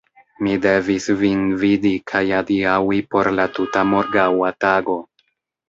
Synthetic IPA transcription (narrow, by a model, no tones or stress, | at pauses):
mide̞visvinvidikʰajadiawipo̞ɾlatutamo̞ɾɡawataɡo̞